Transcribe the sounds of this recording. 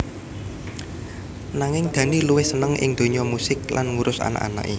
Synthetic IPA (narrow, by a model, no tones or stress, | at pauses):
naŋɪŋd̪̥ä̤niluwɪhsənəŋʔɪ̰ŋd̪̥o̤ɲɔmusɪk̚la̰nŋuɾʊsa̰na̰ʔa̰na̰ʔi